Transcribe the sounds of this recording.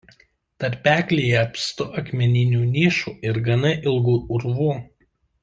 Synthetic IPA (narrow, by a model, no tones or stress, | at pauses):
t̪ɐɾʲpʲæːkʲlʲiːjɛɐpʲst̪ʊʔɐkmʲɛnʲɪnʲuːnʲiːʃuːɪɾɡɐnɐʔɪlˠɡuːʊɾʋuː